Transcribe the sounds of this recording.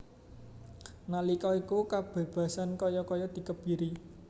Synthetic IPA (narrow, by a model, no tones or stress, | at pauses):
nalikɔikukab̥e̤b̥ä̤sankɔjɔkɔjɔd̪̥i̤kəb̚b̥i̤ɾi